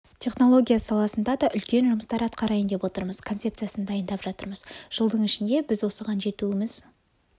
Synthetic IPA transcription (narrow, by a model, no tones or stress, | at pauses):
t̪ʲʰe̞χno̞lˠo̞ɡʲijasɑlˠɑsənd̪ɑd̪ɑʔʏlkʲe̞nʒʊməst̪ɑɾɑt̪qɑɾɑjənd̪e̞pwo̞t̪əɾməz̥kʰo̞t̪se̞p̚t̪ijasənd̪ɑjənd̪ɑpʒ̥ɑt̪əɾməzʒ̥əlˠd̪əɴɪʃɪnd̪e̞bɪzwo̞səʁɑnʒe̞t̪uɪmɪz̥